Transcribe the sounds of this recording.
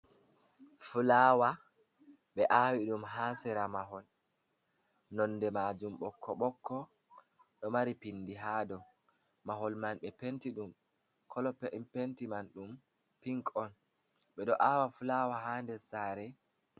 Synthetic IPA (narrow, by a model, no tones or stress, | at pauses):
fulaːwa | ɓɛʔawiɗumɦaːsɛɾamaɦɔl | nɔnːdɛmad͡ʒumɓɔkʰːɔɓɔkʰːɔ | ɗɔmaɾipinːdiɦadɔmaɦɔlmanɓɛpentiɗum | kʰɔlɔppentimanɗum | piŋkɔn | ɓɛɗɔʔawafulawaɦaːndɛsaɾɛ